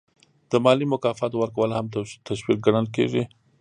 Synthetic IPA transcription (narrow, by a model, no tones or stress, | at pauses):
d̪̥əmɑlimʊkɑfɑt̪owəɾkawəlohamt̪aʃwik̚ɡaɽəlkḛʐi